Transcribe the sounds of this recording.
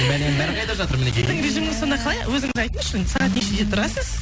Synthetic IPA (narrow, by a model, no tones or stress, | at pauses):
mælenbæɾqʰɑjd̪ɑʒɑt̪əɾmɪnekʲejd̪ɪŋɾe̞ʒijmɪŋɪzo̞nɑqʰlˠɑjwɵzɪŋɪzɑjt̪umʃɪnsɑʁɑt̪eʃed̪et̪ʰʊɾɑsəz